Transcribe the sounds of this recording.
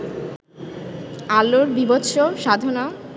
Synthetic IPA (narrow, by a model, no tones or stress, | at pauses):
aloɾbibot̪ːɕoʃad̪ʱona